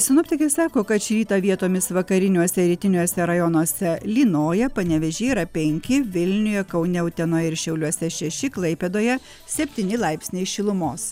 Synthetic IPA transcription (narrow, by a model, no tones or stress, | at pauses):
sʲɪnʊpʲt̪ʲɪkʲesɑːkoːkɐt̪ʃʲɾʲiːt̪ɐʋʲiɛt̪oːmʲɪsʋɐkɐɾʲɪnʲuɔsʲɛɾʲiːt̪ʲɪnʲuɔsʲɛɾɐjɔnoɔsʲɛlʲiːnoːjɛpɐnʲɛʋʲɛʒʲɛiɾɐpʲɛŋʲkʲɪʋʲɪlʲnʲʊjɛkɐʊnʲɛʊt̪ʲɛnoːjɛɪɾʃʲɛʊlʲuɔsʲɛʃʲɛʃʲɪklˠɐɪpʲeːd̪oːjɛ | sʲɛpʲt̪ʲiːnʲɪlˠɐɪpʲsʲnʲɛɪʃʲɪlˠʊmoːs